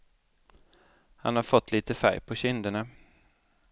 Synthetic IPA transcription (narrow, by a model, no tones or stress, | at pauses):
ha̰nhaɾfɔt̪ːliːt̪əfæ̰ɾjpʰɔɕɪnd̪əɳa